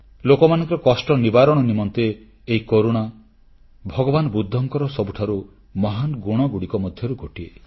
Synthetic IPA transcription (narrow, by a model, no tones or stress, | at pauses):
lokɔmanɔ̃ŋkɔɾɔkɔsʈɔnibaɾɔɽ̃ɔnimɔnt̪eː | ɦikoɾuɽ̃a | bʱɔɡɔbanɔbud̪ʱːɔŋkɔɾɔsɔbuʈʰaɾu | mɔɦanɡuɽ̃ɔɡuɽikɔmɔd̪ʱjɔɾuɡɔʈie